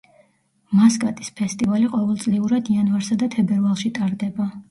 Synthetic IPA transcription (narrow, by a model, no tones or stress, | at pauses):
maskʼat̪ʼi̥spʰɛst̪ʼivaliqʼɔvɛlˠt̪sʼliuɾad̪ianvaɾsad̪at̪ʰɛbɛɾvalˠʃit̪ʼaɾd̪ɛba